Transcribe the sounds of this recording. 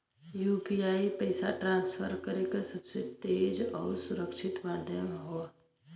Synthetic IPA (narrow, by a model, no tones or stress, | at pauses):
juːpiaːipəɪsa̰ʈɾãːnsfʰəɾkəɾekasɐbset̪eːd͡ʒɔ̰ːɾsʊɾəkʃɪt̪maːd̪ʱjəmɦoa